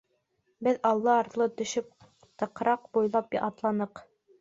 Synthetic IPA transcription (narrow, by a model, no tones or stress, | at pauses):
bɘðɑlˠːɑːɾt̪lˠɤt̪ɵ̆ʃɵp̚ | t̪ɤ̆qɾɑqbujlˠɑpjʔɑt̪lˠɑnɤq